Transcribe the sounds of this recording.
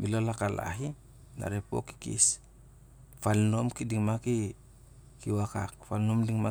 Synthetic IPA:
bilolakala̰ɦi | da̰ɾepo̰ki̥kḭs | falno̞mkidiŋmaki | kiwakak̚falnomdiŋma

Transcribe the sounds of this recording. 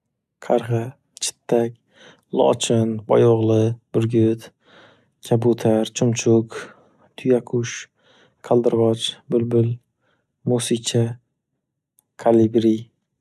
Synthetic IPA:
qʰɑɾʁɑ | t͡ʃʰɪ̥t̪ʰːak̚ʲ | lˠɒ̰t͡ʃʰɪnbɒjoʁlˠɪb̥ʊɾɡʲʊt̪ | kʲʰabʊt̪ʰaɾt͡ʃʰʊmt͡ʃʰʊk | t̪ʰʊjakʰʊʃ | kʰalˠd̪ɨɾʁɒt͡ʃbʊlbʊl | musit͡ʃʰa | kʰalibɾi

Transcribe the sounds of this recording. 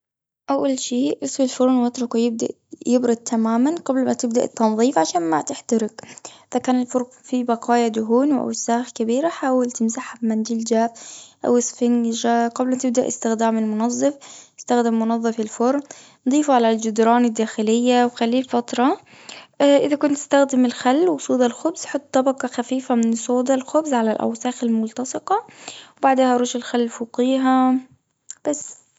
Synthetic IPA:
ʔawːalʃiːʔɪsˤfɪlfʊɾnwɪt̪ɾˤʊkwjɪb̚d̪a̰ʔ | jɪbɾʊd̪̚t̪ʰamaːmanqablmat̪ɪb̚d̪a̰ʔt̪ːɑnðˤiːfʕaʃaːnmat̪ɪħt̪aɾɪkʔʔɪðakaːnɪlfʊɾ | fibɑqɑːjad̪ʊɦuːnwʔa̰wsaːxkabiːɾaħaːwalt̪ɪmzaħabmand͡ʒɪld͡ʒaːfʔa̰wɪsˤfɪnʒaqablmat̪ɪb̚d̪aʔɪ̰st̪ɪxd̪aːmɪlmʊnɑðˤːɨfɪst̪axd̪ɪmːʊnɑðˤːɨfɪlfʊɾˤ | nd̪ˤiːfʕalald͡ʒʊd̪ɾˤɑːnɪd̪ːaːxɪlɪjːawxalːiːlfɑt̪ˤɾˤɑ | ʔɪðakʊnt̪ːɪ̥st̪axd̪ɪmɪlxalːwɪsˤuːd̪ˤɑlxʊbz̥ħot̪̚ˤt̪ˤːɑbɑqɑxafiːfamɪnsˤoːd̪ɑlxʊbzʕalalʔa̰wsaːxɪlmʊlt̪ɑsˤɨqɑwbaʕd̪eːhaʔɑɾuːʃɪlxalːfuːqiːɦa | b̥asː

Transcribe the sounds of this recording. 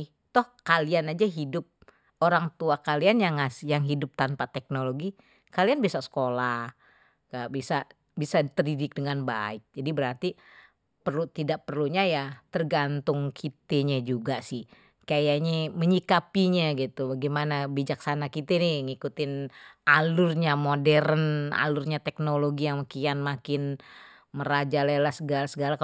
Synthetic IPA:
t̪ɔhkalianad͡ʒaɦidʊp̚ | oɾaŋt̪uakalianjaŋasjaŋɦidʊp̚t̪anpat̪ɛk̚noloɡi | kalianbiasaʔsə̥kolah | kabisaʔ | bisat̪ərdidɪk̚dəŋanba̰ɪk̚d͡ʒadibəɾart̪i | pərlut̪idaʔ̚pərluɲajat̪ərɡant̪ʊŋkʰit̪eɲad͡ʒuɡasɪh | kajaɲeməɲikapiɲaɡit̪ubaɡimanabid͡ʒaksanakit̪enɪŋikut̪ɪnalʊrɲamodɛɾəna̰lʊrɲat̪ɛk̚noloɡijaŋmakianmakɪn | məɾad͡ʒalelahsəɡalasəɡalak

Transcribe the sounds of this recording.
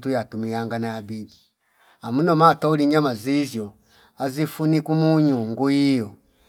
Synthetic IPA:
tujatumijaŋɡanaːbi | amunɔmatɔuliɲamazizjɔ | azifunikumuɲuŋɡujijɔ

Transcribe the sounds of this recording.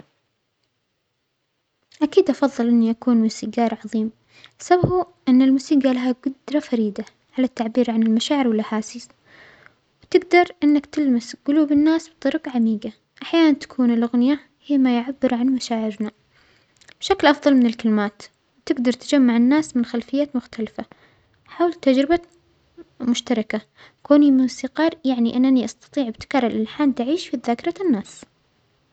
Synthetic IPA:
ʔakiːd̪ʔɑfɑðˤːɨlʔɪnːiʔakuːnmuːsiːɡɑːɾˤʕɑðˤiːm | sababu | ʔɪnːɪlmuːsiːɡalaɦaɡʊd̪ɾˤɑfaɾiːd̪a | ʕalat̪ːaʕbiːɾʕanɪlmaʃaːʕɪɾwɪlʔaħaːsɪs | wt̪ɪɡd̪ɑɾˤʔɪnːakt̪ɪlmasɡʊluːbɪnːaːsbt̪ˤɑɾɡʕamiːɡa | ʔaħjaːnant̪ḁkʰuːnɪlʔʊɣnɪja | hiːmajʕabːɪɾʕanmaʃaːʕɪɾna | b̥ʃaklʔɑfðˤɑlmɪnɪlkalmaːt̪ | wt̪ɪɡd̪ɑɾˤt̪ad͡ʒamːaʕɪnːaːsmɪnxalfɪjːaːt̪mʊxt̪ʰalfa | ħaːwlt̪ad͡ʒɾɪba | mʊʃt̪ɑɾˤɑka | koːnimusiːqɑːɾˤjaʕniʔɪnːaniʔɑst̪ɑ̥t̪ˤiːʕɪbt̪ɪ̥kɑːɾˤɪlʔɪlħaːnt̪aʕiːʃfiðaːkɪɾˤɑnːaːs

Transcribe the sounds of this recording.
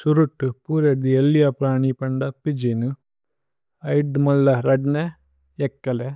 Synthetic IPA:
suɾuʈːupuːɾed̪ielːijɐpɾaːɳipɐɳɖɐpid͡ʒinu | ɐjɖd̪mɐlːɐɾɐɖne | ekːɐle

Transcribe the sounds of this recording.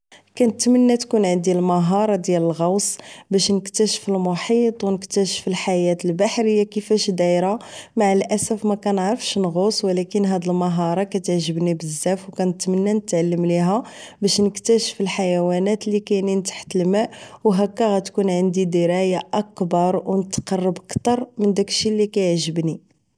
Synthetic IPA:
kænət̪mənːæt̪kunʕənd̪ilmɑɦɑɾˤɑd̪jæləlɣɑwsbæʃnəkt̪æʃə̥fəlmoħit̪ˤwnəkt̪æʃə̥fəlħajæt̪əlbaħɾəjːakəfæʃd̪æɾamaʕalʔæsæfmækænəʕɾəfʃnɣoswəlækənɦæd̪əlmɑɦɑɾˤɑkæt̪əʕʒəbnibəzːæfwkænət̪mənːænət̪ʕalːəmliɦæbæʃnəkt̪æʃəfəlħajæwænæt̪likæjnint̪ḁħt̪əlmæʔwɦækːæɣæt̪kunʕənd̪id̪iɾɑjaʔækbɑɾˤwnət̪qɑrˤːəbəkt̪ɑɾˤmənd̪ækʃilːikæjəʕʒəbni

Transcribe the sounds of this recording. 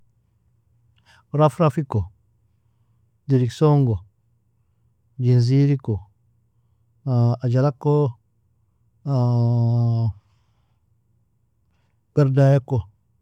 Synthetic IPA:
ɾafɾafiko | diɾiksoŋɡo | d͡ʒinz̬iɾiko | ad͡ʒalakːo | bɛɾdajakːo

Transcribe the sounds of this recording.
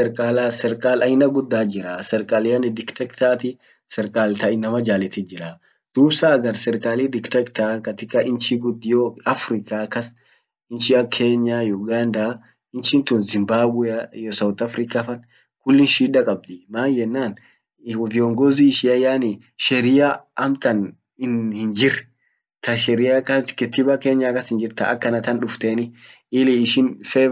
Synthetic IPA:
sɛɾkʼaːlasɛɾkʼaːlɐjɪnɐɡʊd̪ːaːd͡ʒɪɾasɛɾkʼaːlɪjɐnɪd̪ɪkt̪ɛkt̪aːt̪ɪ | sɛɾkʼaːlt̪ɐʔɪnːɐmɐd͡ʒaːlɛt̪ɪd͡ʒɪɾa | d̪̥uːbsaːɡɐɾsɛɾkʼaːlid̪ɪkt̪ɛkt̪aːkɐt̪ɪkːɐʔɪnt͡ʃiɡʊd̪joɐfɾɪkaːkɐs | ɪnt͡ʃɪɐkʰeːɲːajʊɡaːnd̪a | ɪnt͡ʃɪnt̪ʊnzɪmbaːbweɐjɔsɐwt̪ɐfɾɪkafɐn | kʊlːɪnʃiːd̪ɐkʼɐb̚d̪ɪmaːnjɛnːaːn | vɪɔŋɡɔziːʃɪɐjaːni | ʃɛɾɪjaʔɐmt̪ɐn | ɪnhɪnd͡ʒɪɾɛ | t̪ɐʃɛɾɪjakɐkɛt̪ːɪbɐkeːɲːakɐshɪnd͡ʒɪɾt̪ɐ̰ɐ̰kːɐnɐt̪ɐnᶑʊft̪eːnɪ | ɪliːʃɪnfɛ

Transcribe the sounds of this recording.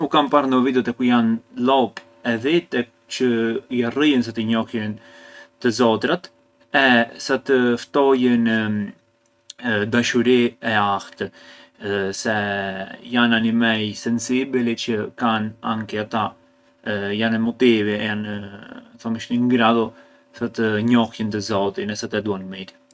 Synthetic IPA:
ukampaɾnəvid̪ɔt̪ɛkujanlɔp | ɛðit̪ɛ | t͡ʃəjarijəns̬at̪əɲɔkjənt̪əzɔt̪ɾat̪ | ɛsat̪əft̪ɔjən | d̪aʃuɾiɛakt̪ə | sɛ | jananimɛjsɛnsibɛlɛt͡ʃəkana̰ŋkɛat̪a | janɛmɔt̪ivijan | θɔməʃniŋɡɾaðɔ | sat̪əɲɔhjənt̪əzɔt̪inɛsat̪ɛd̪uanmɛɾi̥

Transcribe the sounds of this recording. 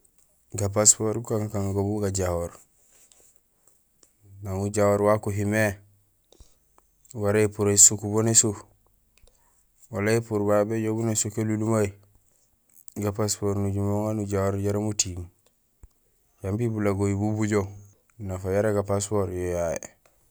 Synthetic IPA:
ɡap̬aspoɾbukaŋkaŋɡobuɡaɟahoɾ | naŋuɟawoɾwakuɦime | waɾeipuɾesukubonisu | walaipuɾbabeɟobunesokelulumai | ɡapaspoɾnuɟumoŋanuɟawoɾɟaɾamutim | jambibulaɡojibubuɟo | nafajaɾaɡapas̬poɾjojajḛ

